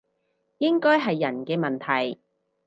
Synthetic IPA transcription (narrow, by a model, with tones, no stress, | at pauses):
jɪ˥ŋkɔː˥jɦɐ˨jːɐ˨˩nkɛː˧mɐ˨nt̪ʰɐ˨˩j